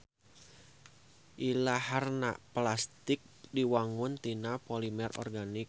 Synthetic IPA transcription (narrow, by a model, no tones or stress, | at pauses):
ʔilaɦarna̰plast̪ɪk̚diwaŋʊnt̪inapɔlimɛrɔ̰rɡanɪk̚